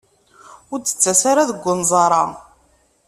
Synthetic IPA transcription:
ʊɾt͡s̪ːə̥t͡sːæsaɾaðəɡʷːʊnzˤɑɾˤɑ

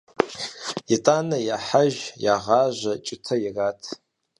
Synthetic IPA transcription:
itʼanɐjaħaʒjaʁaʒʷat͡ʃʷʼɪtʰɐiratʰ

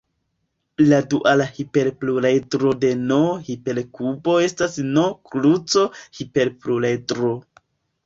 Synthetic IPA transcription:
laduʔalahipe̞ɾpluɾajdɾode̞nohipe̞ɾkubo̞e̞stasnoklut͡so̞hipe̞ɾpluɾajdɾo

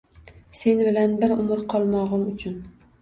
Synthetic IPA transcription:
se̞nbɪlanbɪɾʊmɪɾqʰɒlˠmɒʁɨmʊt͡ʃʰʊn

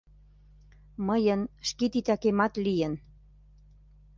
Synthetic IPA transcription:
məjənʃket̪it̪ɑkemɑt̪lijən

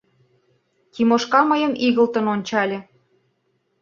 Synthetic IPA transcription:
k̪imoʃkɑmɤjə̆miɣə̆lt̪ə̆nonʲt͡ɕɑlʲĕ

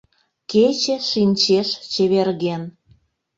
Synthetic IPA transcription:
ket͡ɕĕʃinʲt͡ɕeʃt͡ɕeβerɣen

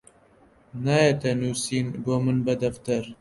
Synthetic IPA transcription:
najet̪ɛnuːsiːnboːmɨnbɐd̪ɐft̪ɨɾ

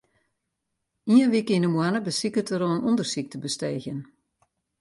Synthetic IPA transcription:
iənʋikinəmwanəbəsikətəɾoənundərsik̚təbəsteːxjən

